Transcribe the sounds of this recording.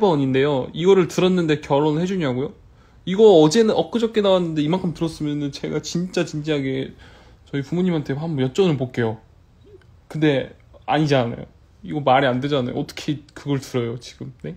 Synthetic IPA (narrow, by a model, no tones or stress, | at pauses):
ebʌɲinde̞joiɡʌɾɯɭtɯɾʌnːɯnde̞kjʌɾonɯɭhe̞d͡ʑuɲiaɡojo | iɡʌʌd͡ʑe̞nɯnʌk͈ɯd͡ʑʌp̚k͈enawanːɯnde̞imaŋkʰɯmtɯɾʌs͈ɯmjʌnɯnt͡ɕe̞ɡat͡ɕint͡ɕ͈at͡ɕind͡ʑiɦaɡe̞ | t͡ɕʌipumuɲimɦantʰe̞ɦambʌjʌt͡ɕ͈ʌnɯɭpok͈e̞jo | kɯnde̞ | aɲid͡ʑana̰jo̰ | iɡʌmaɾiande̞d͡ʑana̰jo̰ʌt͈ʌ̥kʰekɯɡʌɭtɯɾʌjot͡ɕiɡɯmne̞